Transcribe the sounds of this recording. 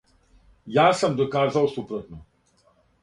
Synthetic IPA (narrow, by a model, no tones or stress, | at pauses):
jaːsɐmd̪okaːzawsupɾot̪no